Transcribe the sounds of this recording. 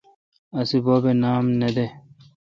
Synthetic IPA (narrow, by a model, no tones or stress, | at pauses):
ɐsiboːbenaːmnɐd̪e